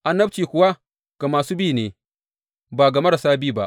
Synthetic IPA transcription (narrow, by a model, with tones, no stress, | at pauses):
ʔa˨nːɐ˦bt͡ʃiː˨kʷʊ˦wa˦ | ka˨maː˨suː˦biː˦˨neː˨ | baː˨ɡɐ˨mɐ˦ɽa˨saː˦biː˦ba˦ʔ